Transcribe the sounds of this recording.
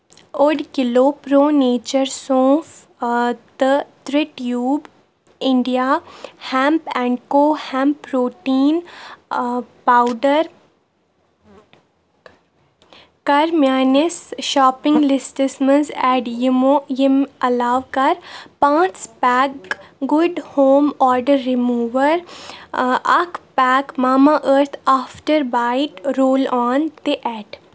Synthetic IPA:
oɖkɪloːpɾoːneːt͡ʃəɾsõːf | t̪ət̪ɾɪʈjuːb | ɪ̃ɳɖijaːhɛ̃ːmpɛ̃ːɳɖkoːhɛ̃ːmpɾoːʈiːn | paːʊɖəɾ | kɐɾmjaːnɪsʃɔːpɪ̃ŋɡlɪsʈəsmənzɛːɖjɪmoːjɪmɐlaːʋkɐɾpãːt͡ʃpɛːkɡʊɖhoːmaːɾɖəɾːɪmuːʋəɾ | ɐkʰpɛːkmaːmaʔəɾt̪ʰaːfʈəɾbaːɪʈɾoːlaːnt̪eʔɛːɖ

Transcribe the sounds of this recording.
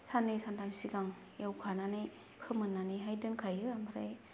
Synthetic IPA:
sanɯjsandamsiɡaŋ | jewkʰananɯj | pʰɯmɯnːanɯjɦajdɯnkʰajɯamaɾa̰j

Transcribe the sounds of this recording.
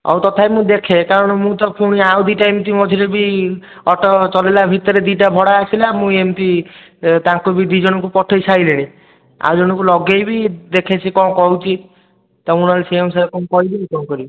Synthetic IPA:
ɔ̰wt̪ɔt̪ʰajmũd̪ekʰekaɾɔɽ̃ɔmũt̪ɔpʰuɽ̃iawd̪iʈaemt̪imɔd̪ʱiɾebi | ɔʈɔt͡ʃɔlelabʱit̪ɔɾed̪iʈabʱɔɽaasʰilamũemt̪i | t̪ãkubid̪wid͡ʒɔɽɔkupɔʈʰɔjsaileɽ̃ĩ | a̰wd͡ʒɔɽ̃ɔkulɔɡejbid̪ekʰet͡ʃʰikɔ̃kɔɦut͡ʃʰi | t̪ɔuɽ̃ɔlsiemsaekɔ̃kɔɦibeikɔ̃kɔɾibi

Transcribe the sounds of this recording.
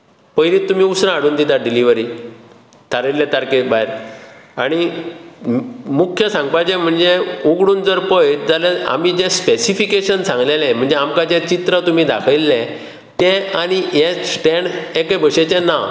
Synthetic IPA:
pəjɾit̪ːum̤iːusɾãaɽuːnd̪it̪aɖiliʋəɾi | t̪ʰaɾelːɛ̃t̪aɾkebaɦɾaɽ̃i | mukʰjəsãŋɡpat͡ɕɛ̃m̤əɳd͡zeuɡɽuːnd͡zəɾpəjd͡zalea̰mid͡ʑɛspesifikeɕənsãŋɡlelɛ̃m̤əɳd͡zeamkad͡ʑɛt͡ɕit̪ɾət̪um̤iːd̪akʰilːɛ̃ | t̪ɛ̃aɽ̃iɦɛ̃sʈɛɳɖɛkabʱəɕet͡ɕɛ̃na

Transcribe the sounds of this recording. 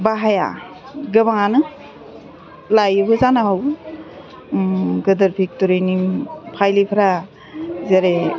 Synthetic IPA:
baɦaja̰ | ɡɯbaŋanɯ | lajɯbɯzanaɦaw | ɡɯdɯɾpʰik̚tuɾɯjnimpʰajlipʰɾa | zeɾe

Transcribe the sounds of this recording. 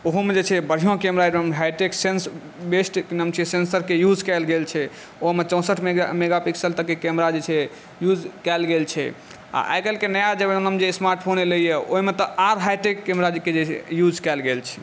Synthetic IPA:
oɦmed͡ʒet͡ʃʰɛbəɽ̤ijõkemɾamemɦajʈeksens | besʈknəmt͡ʃʰisensəɾkejud͡ʒkɛlɡelt͡ʃʰɛ | oɦmet͡ʃə̃w̃səʈʰmemeɡapiksəlt̪əkːekɛmɾad͡ʒet͡ʃʰɛ | jud͡ʒkɛlɡelt͡ʃʰɛ̰ | a̰ʔa̰jkəlkenəjad͡ʒəbnəmd͡ʒesmaɾʈpʰoneləijeo̰ɦimet̪ɔʔaɾɦajʈekːemɾad͡ʒked͡ʒet͡ʃʰɛ̰jud͡ʒkɛlɡelt͡ʃʰɛ

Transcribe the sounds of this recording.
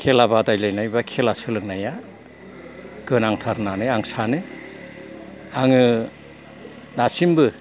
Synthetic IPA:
kʰelabadajlajnajbakʰelasɯlɯk̚naja | ɡ̥ɯnaŋtʰaɾnanɯjaŋsanɯ | aŋɯ | nasimbɯ

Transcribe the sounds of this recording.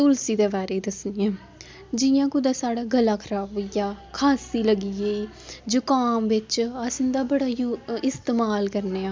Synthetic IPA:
t̪ʊlsiːd̪eːbaːɾeːd̪əsnɪjɛ̃ː | d͡ʒɪjãːkʊd̪aːsaːɽaːɡəlːaːkʰəɾaːʋjaːkʰaːsiːləɡieːiː | d͡ʒʊkaːmʋɪt͡ʃasɪ̃nd̪aːbəɽaːjɪst̪eːmaːlkəɾneːaː

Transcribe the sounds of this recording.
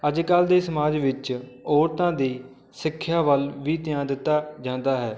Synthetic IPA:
əd͡ʒkald̪eːsəmaːd͡ʒʋɪt͡ʃɔːɾt̪ãːd̪iː | sɪkʰːjaːʋəlʋiːt̪ɪjãːd̪ɪt̪ːaːd͡ʒãːnd̪aːɦɛː

